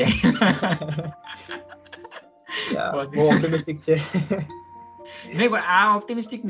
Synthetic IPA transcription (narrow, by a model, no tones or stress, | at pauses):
e | ja̰soɔp̚ʈimisʈik̚t͡ɕʰe | neibɐʈaɔp̚ʈimisʈikn